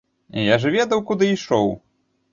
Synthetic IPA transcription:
ijaʐɐvʲɛd̪ɐwkud̪ɨiʂɔw

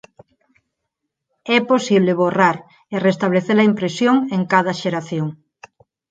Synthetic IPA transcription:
ɛposiβ̞leβoraɾ | erest̪aβleθeɾlɐimpɾesjoŋeŋkaðɐʃeɾaθjoŋ

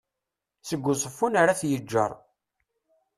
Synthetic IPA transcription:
səɡʷːʊsˤəfːunaɾaθjəd͡ʒːə̰ɾˤ

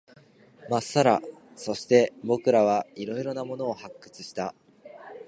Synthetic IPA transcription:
masaɾa̰ | so̞ɕi̥t̪e̞bo̞kɯ̟ɾaβ̞aiɾo̞iɾo̞namo̞no̞ːhakːɯ̟̥t͡sɨɕi̥t̪a

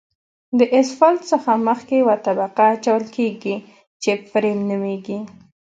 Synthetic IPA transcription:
d̪əʔɪsfalt̪səxaməxkewat̪abaqaːt͡ʃawəlkeɡi | t͡ʃefɾemnəmeɡi

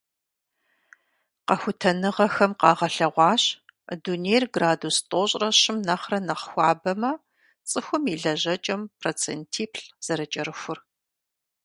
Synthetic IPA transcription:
qɐxʷʊtʰɐnɨʁɐxɐmqɑːʁɐɬɐʁʷɑːɕ | dunejrɡraːdustʼoːɕʼrɐɕɪmnɐχrɐnɐχxʷɑːbɐmɐ | t͡sʼɨxʷʊmiːɮɐʑɐt͡ʃʼɐmpʰroːt͡sʰḛntʰiːpʰɬz̥ɐɾɐt͡ʃʼɐɾɨxʷʊr

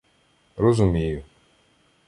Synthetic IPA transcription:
rɔzʊmʲijʊ

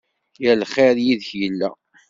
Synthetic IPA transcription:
jælχeɾjiðəçjəlːæ̰

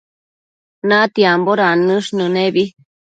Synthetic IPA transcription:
nãt̪iamboɾanɨ̃ʂnɨ̃neβi

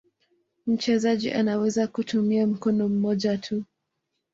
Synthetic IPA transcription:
m̩t͡ʃɛzaʄḭʔanawɛzakutʰumiam̩kɔnɔm̩mɔʄatʰu

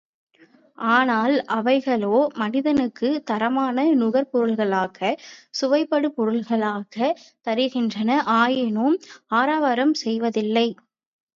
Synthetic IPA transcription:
ʔaːnaːlʔɐʋɐɪɣɐɭoːmɐnɪðɐnɯkːɯt̪ɐɾɐmaːnɐnʊɣɐɾpɔɾɯlɣɐɭaːɣɐsʊʋɐɪpːɐɽɯpɔɾɯlɣɐɭaːɣɐt̪ɐɾɯɣɪndrɐnɐʔaːjɪnomaːɾaːʋɐɾɐmsɛjʋɐðɪlːɐɪ

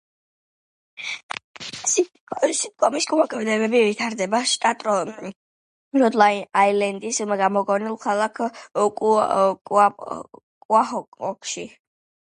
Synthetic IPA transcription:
s | sit̪̚kʼɔmiskʼumakʼɛvd̪ɛβɛbivit̪ʰaɾd̪ɛbaʃt̪ʼat̪ʼɾɔ | ɾɔd̪lˠainailɛnd̪ismɡamɔɡɔnilˠkʰalˠakʰkʼkʼa | kʼwahɔkɔkʰʃi

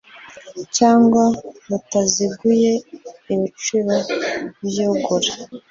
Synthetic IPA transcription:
caːŋɡwaβutaziɡuje̞iβit͡ʃuɾaβjoɡoɾa

